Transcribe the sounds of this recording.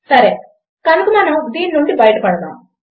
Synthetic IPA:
sɐɾe | kɐnukumɐnɐmd̪iːnnuɳɖibɐjʈɐpɐɽɐd̪a̰ːm

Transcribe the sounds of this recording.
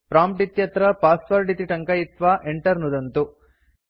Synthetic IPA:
pɾaːmp̚ʈit̪jɐt̪ɾɐpaːsʋɐɾɖit̪iʈɐŋkɐjit̪ʋaʔeɳʈɐɾnud̪ɐnt̪u

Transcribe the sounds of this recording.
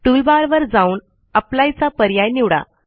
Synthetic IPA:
ʈulbaɾʋəɾd͡zauːɳ | aplajt͡sapəɾjajniʋɽa̰

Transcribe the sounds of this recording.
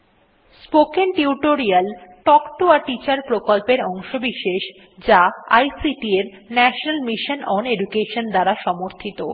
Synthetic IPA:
spokenʈiuʈoɾialʈɔkʈoaʈit͡ɕaɾpɾokolpeɾɔŋʃobiʃeʃ | d͡ʑaajsiʈieɾnɛʃonalmiʃonɔneɖukeʃond̪aɾaʃɔmoɾt̪ʰit̪o

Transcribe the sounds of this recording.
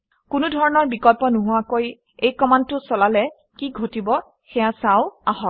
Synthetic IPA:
kʊnudʱɔɹɔnɔɹbikɔlpɔnʊɦʊakoj | ejkɔmantʊsɔlalɛ | kiɡʱotibɔ | xɛjasaʊaɦɔt

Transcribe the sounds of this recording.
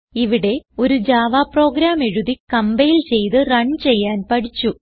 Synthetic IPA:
iʋiɽe̞o̞ɾud͡ʑaːʋaːpro̞ːɡɾaːmeɻuðikɐmbejilt͡ɕe̞jt̪ɨrɐɳt͡ɕe̞jːaːnpɐɽit͡ɕːu

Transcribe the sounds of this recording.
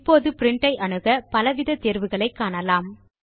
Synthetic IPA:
pːoːðɯpɪɾɪɳʈɐɪʔɐɳɯɣɐpɐlɐʋɪðɐt̪eːɾʋɯɣɐɭɐɪkːaːnɐlaːm

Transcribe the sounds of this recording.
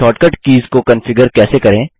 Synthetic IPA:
ɔːʈkəʈkiːzkokɐnfɪɡəɾkɛːsekɐɾẽː

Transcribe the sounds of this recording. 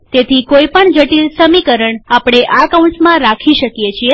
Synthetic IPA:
t̪et̪ʰikoipəɳd͡ʒəʈilsəmikəɾəɳapɽ̃eʔakauɳsmãɾakʰiʃəkjet͡ʃʰie

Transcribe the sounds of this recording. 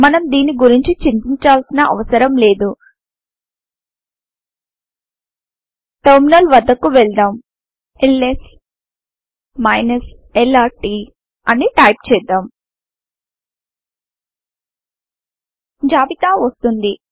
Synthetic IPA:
mɐnɐmd̪iːnːiɡuɾiɲt͡ʃit͡ʃimpiɲt͡ʃaːlsinɐʔɐ̰ʋɐsɐɾɐmle̞ːd̪u | ʈɐɾminɐlʋɐd̪ːɐkːuʋɛɭd̪aːm | eles | mɐjnɐs | elaːʈi | ɐniʈɐjp̚t͡ʃɛːd̪aːm | d͡ʒaːbit̪aːʋɐst̪und̪i

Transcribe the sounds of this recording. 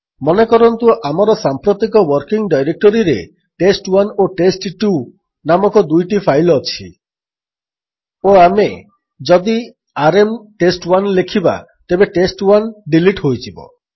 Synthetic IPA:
mɔnekɔɾɔnt̪uʔamɔɾɔsampɾot̪ikɔwɔɾkiŋɖajɾek̚ʈɔɾiɾe | ʈesʈwanoʈesʈʈu | namɔkɔd̪ujʈipʰajlɔt͡ʃʰi | oame | d͡ʒɔd̪i | aɾemʈesʈwanlekʰiba̰ | t̪ebeʈesʈwanɖiliʈɦojtibɔ̰

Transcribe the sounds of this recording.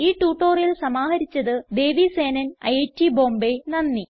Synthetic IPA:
iːʈːuːʈːo̞ːrjilsɐmaːɦɐɾit͡ɕːɐðɨd̪e̞ːʋiseːnɐnɐ̰jetːibo̞ːmbenɐnːi

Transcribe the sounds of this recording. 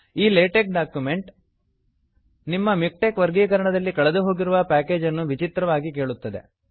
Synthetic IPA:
iːleːʈek̚ɖaːkjume̞ɳʈ | nimːɐmik̚ʈekʋɐɾɡiːkɐɾɐɳɐd̪ɐlːikɐɭed̪uɦo̞ːɡiɾuʋɐpæːke̞ːd͡ʒɐnːuʋit͡ʃit̪ɾɐʋaːɡike̞ːɭut̪ːɐd̪e̞̰

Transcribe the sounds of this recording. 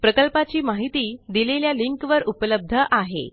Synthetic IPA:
pɾəkəlpat͡ɕiːmaɦit̪iːd̪ileljaliŋkʋəɾupələb̚d̪ʱəʔaɦḛ

